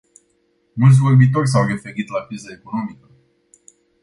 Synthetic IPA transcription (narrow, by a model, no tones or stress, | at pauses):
mult̪s̬ʲvo̞rbit̪̬o̞rʲs̬awre̞fe̞ɾit̪lakɾizaeko̞no̞mikə